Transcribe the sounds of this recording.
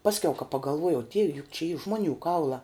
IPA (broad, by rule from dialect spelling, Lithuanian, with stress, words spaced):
ˈpɑːsʲkʲɛʊ kɐ pɐɡɐlˠˈʋuɔjɛʊ ˈdʲiɛʋʲɛ jʊk t͡ʃʲɛ iː ˈʒmoːˌnʲuː ˈkɐʊlˠɑː